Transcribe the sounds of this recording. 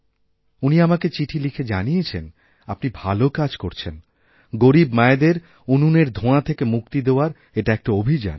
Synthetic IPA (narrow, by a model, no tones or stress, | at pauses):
uniamaket͡ɕiʈʰilikʰed͡ʑaniet͡ɕʰḛn | apnibʱalokad͡ʑkoɾt͡ɕʰen | ɡoɾibmaed̪eɾ | ununeɾd̪ʱõat̪ʰekemuk̚t̪id̪eoaɾ | eʈaek̚ʈaobʱid͡ʑa̰n